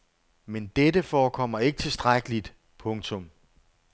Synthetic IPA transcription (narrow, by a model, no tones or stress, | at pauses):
mend̥edəfɒːkʰɒ̽m̰ɐe̝ɡ̥ət͡sʰe̝sd̥ʁaɡ̥əlid̥ | pʰɔ̽ŋt͡sʰɔ̽m